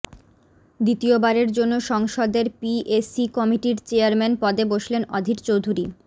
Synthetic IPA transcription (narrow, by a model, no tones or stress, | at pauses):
d̪it̪iobaɾeɾd͡ʑonːoʃɔŋʃod̪eɾpiʔesikɔmiʈiɾt͡ɕeaɾmɛnpɔd̪eboʃlenɔd̪ʱiʈt͡ɕowd̪ʱuɾi